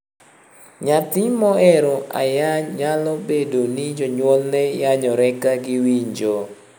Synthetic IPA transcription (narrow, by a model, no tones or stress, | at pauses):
ɲat̪ɪmɔɛɾɔa̰jaɲalɔbedonid͡ʒɔɲwɔlnɛjaɲɔɾɛkaɡɪwiɲd͡ʒo